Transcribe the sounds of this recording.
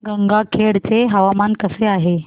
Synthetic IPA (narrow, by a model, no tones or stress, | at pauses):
ɡəŋɡakʰeɽt͡seɦəʋamankəseaɦe